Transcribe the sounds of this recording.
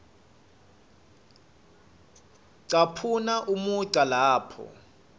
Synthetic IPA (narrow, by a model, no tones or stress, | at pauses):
ǀapʰunaʔumuɡ͡ǀʱʼalaːpʰɔ̰